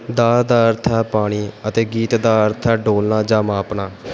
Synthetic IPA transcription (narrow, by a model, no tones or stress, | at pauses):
d̪aːɾd̪aːəɾt̪ʰaːpaːɽ̃iːət̪eːɡiːt̪d̪aːəɾt̪ʰaːɖoːlnaːd͡ʒaːmaːpɳaː